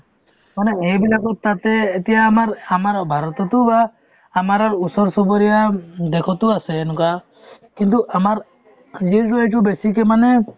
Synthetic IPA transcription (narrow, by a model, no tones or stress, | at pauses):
manɛɛbilaɡɔt̪ːat̪ɛːt̪ɛjaːmaɾamaɾabʱaɾɔt̪ɔt̪ubaː | maɾaɾusɔɾsɔbɔɾɛjad̪ɛkʰɔt̪uasɛnuka | kint̪̬uʔamaɾ | d͡ʒiɾuɛt͡ʃubesikɛmanɛ